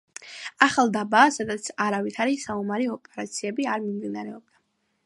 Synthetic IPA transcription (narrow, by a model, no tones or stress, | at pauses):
aχalˠd̪abaːsad̪at̪sʰaɾavit̪ʰaɾisaumaɾiɔpʼɛɾat̪sʰiɛbiaɾmimd̪inaɾɛɔb̚d̪a